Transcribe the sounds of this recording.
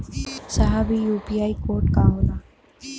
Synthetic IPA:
sɐɦabijuːpiaːikoːɾʈkaɦoːd̪a

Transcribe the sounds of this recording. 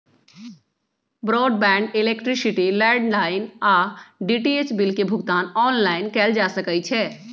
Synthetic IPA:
bɾɔːɖbɛ̃ːɳɖeleːkʈɾisiʈilɛːɖlaːɪnaːɖiʈiet͡ʃbilkebʱʊɡt̪aːnɔːnlaːɪnkɛːld͡ʒaːsəkət͡ʃʰɛː

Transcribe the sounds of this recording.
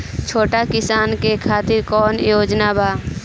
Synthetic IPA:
t͡ʃʰoːʈakɪsaːnkekʰaːt̪ɪɾkɔːnjoːd͡ʒnabʱaː

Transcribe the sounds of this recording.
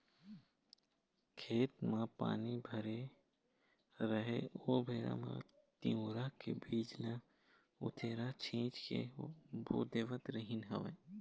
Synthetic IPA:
kʰeːt̪mãpa̰ːnibʱəɾe | ɾəɦeoːbʱeːɾa̰mã̰ | t̪iõːɾakḛbʱiːd͡ʒlã | ʊ̰t̪ʰeːɾat͡ʃʰĩːt͡ʃkḛbo̰ːd̪eːʋət̪ɾəɦɪnɦɐʋẽː

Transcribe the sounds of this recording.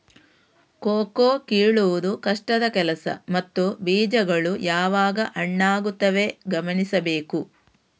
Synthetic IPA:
koːkoːkiːɭuʋud̪ukɐʂʈɐd̪ɐkɛlɐsɐ̰mɐt̪ːubiːd͡ʒɐɡɐɭujaːʋaːɡɐʔɐɳːaːɡut̪ːɐʋe̞ɡɐmɐnisɐbeːku

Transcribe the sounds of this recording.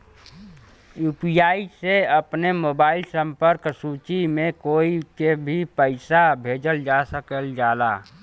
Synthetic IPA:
juːpijaːiseəpnemoːbaːɪlsə̃mpəɾksuːt͡ʃimẽkoːikebʱipəɪsabʱeːd͡ʒəld͡ʒasəkəld͡ʒaːla̰ː

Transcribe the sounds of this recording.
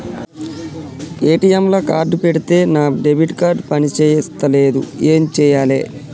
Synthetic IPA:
e̞ːʈijemloːkaːɾɖpeɽit̪e̞ːnaːɖebʱiʈkaːɾɖpɐnit͡ʃeːjist̪ɐleːd̪ṵeːmt͡ʃɛːjaːlḛː

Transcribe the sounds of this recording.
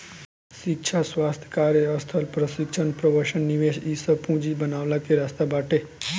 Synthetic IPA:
ʃikt͡ʃʰasʋaːst̪ʰjə̥kaːɾjeəst̪ʰəlpɾəsikʃʰənpɾəʋəɾʃənniʋeʃisəpũd͡ʒibənaːʋlakeɾast̪abaːʈe

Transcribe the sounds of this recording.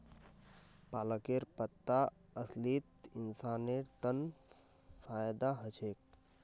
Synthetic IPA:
paːləkeːɾpət̪ːa | əsliːt̪ɪnsaːneɾt̪ən | faːjd̪aɦət͡ʃeːk̚

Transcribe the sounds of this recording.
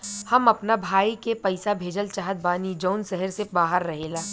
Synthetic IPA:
hɐmɐpnabʱaːikepɐɪsabʱeːd͡ʒəlt͡ʃaːɦət̪̚baːnid͡ʒɔːnsɛɦəɾsebaːɦəɾːɐɦeːlaː

